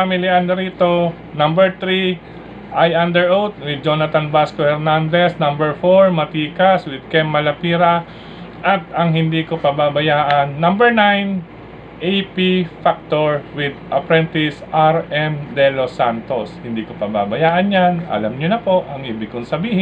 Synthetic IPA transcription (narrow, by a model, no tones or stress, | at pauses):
amɪlɪʔanːɐɾiːt̪o̞ | nambɛɹt̪ɾi | ʔajʔand̪ɛɹʔowt̪̚wɪd̪̚d͡ʒonɐt̪anbaskohɛɾnand̪ɛsnɐmbɛɹfoɹmɐt̪iːkɐswɪd̪̚kɛmːɐlɐpiːɾɐ | ʔɐt̪̚ɐŋɦɪnd̪iːko̞pɐbabɐjaːʔɐnːɐmbɛɹnajn | ʔejpifak̚t̪oɹwɪd̪̚ʔɐpɾɛnt̪ɪsʔaɹɛmd̪ɛlosant̪oshɪnd̪iːkopɐbabɐjaːʔɐnjanɐ̰lamɲonɐpo̞ʔɐŋʔibɪkoŋsɐbiːhɪ